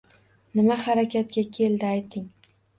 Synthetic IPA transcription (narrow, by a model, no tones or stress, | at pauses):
nɪmahaɾakʲʰat̪̚kʲakʲʰe̞ld̪ɪajt̪ʰːɪŋ